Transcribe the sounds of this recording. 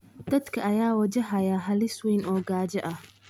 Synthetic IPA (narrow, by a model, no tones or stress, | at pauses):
d̪̥ɐd̪kʰɐʔɐjaːwɐt͡ʃɐɦɐjaːɦɐlɪswɛjnɔːɡaːd͡ʒɐʔɐh